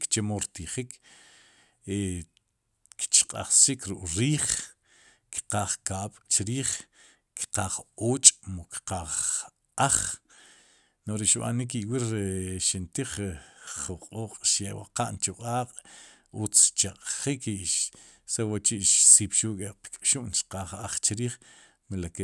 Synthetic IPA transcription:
kt͡ʃemoɾt̪iχikʰ | e | kt͡ʃqʼa̰χsikʰɾuʔʼɾiːχ | ki̥qaːχkaːɓ̥t͡ʃɾiːχ | ki̥qaːχoːt͡ʃʼmukqaːχ | aχ | noχɾeʃɓa̰nik̬iwiɾɾeʃint̪iχχuqʼoːqʼʃjewa̰qa̰ʔnt͡ʃuqʼaːqʼ | ut͡st͡ʃaqʼχiki | sewat͡ʃiʔʃsiːpʃuʔkʼeqkʼʃuʔnʃqaːχaχt͡ʃɾiːχ | milake

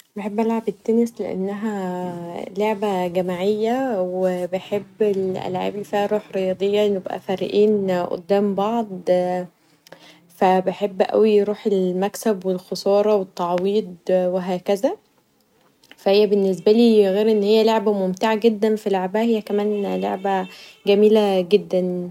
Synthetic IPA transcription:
beħebːʔælʕabet̪ːænesleʔḛnːæɦæ | loʕbæɡæmaʕejːæwebeħebːelʔæ̰lʕa̰ːbifihæɾˤuːħɾejɑːd̪ˤejːɑʔenjebʔæ̰fæɾ̰ʔiːnʔo̰d̪ːæːmbɑʕd̪ˤ | fæbeħebːʔæ̰wiɾuːħelmæksæbwelxosˤɑːɾˤɑwet̪ːɑʕwiːd̪̚ˤweɦæːkæzæ | fæhejːæbenːes̬bæliːɣeːɾʔenːhejːæloʕbæmomt̪eʕaɡed̪ːænfileʕbæhæhejːækæmæːnlo̰ʕbæɡæmiːlæɡed̪ːæn

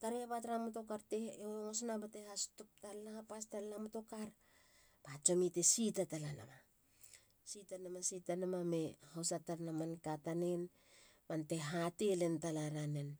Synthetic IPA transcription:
taɾeapatɾamuto̞kaɾteoosnabatehastup̚talapastalnamoto̞kaɾ | pat͡ʃomitesitatalana̰ma | sitanamasitanamame̞hosataɾnamankatanen | mante̞ɦatelentalaɾanen

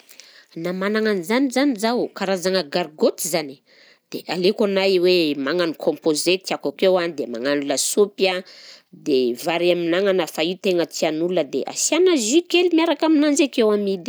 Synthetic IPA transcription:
namanaŋanzanizanizawkaɾazaŋəɡaɾɡot̪izani̥ | d̪̥eʔalekanajwemaŋanikʰɔ̃mpozet̪iakakewanid̪emaŋanuləsupjad̪evaɾaminaŋanafaiwt̪eŋət͡s̪ianululəd̪ḛʔa̰sianazikelmaɾakaminanzakewamid̪i̥

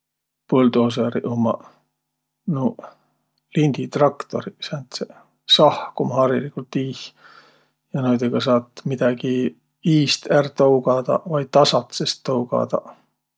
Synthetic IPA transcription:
pold̪oːs̬eɾḭʔomɑ | no | linʲd̪̥it̪rɑkt̪o̞̰ɾisænt̪se | sɑhkomɑhɑɾilikult̪iːh | jɑnojd̪eɡ̥ɑs̬ɑːt̪mid̪̥ɑɡ̥i | iːst̪ært̪ɤwɡ̥ɑd̪̥ɑ̰vɑj̚t̪ːɑsɑt̪sest̪ːɤwɡ̥ɑ̰d̪̥ɑ̰

